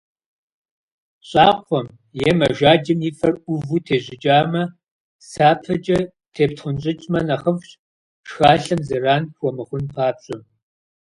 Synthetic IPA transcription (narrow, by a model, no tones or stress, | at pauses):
ɕʼɑːqʷɔm | jɛmɐʒaːd͡ʒɪmiːfɐrʊvutʰeːʑɪt͡ʃʼaːmɐ | saːpʰɐd͡ʒʼɐ | tʰeːptʰχʷʊnt͡ʃʼɪt͡ʃʼmɐnɐχəfɕʼ | ʂxaːɬɐmzɨraːnxʷɔmɨχʷʊnpʰaːpɕʼɪm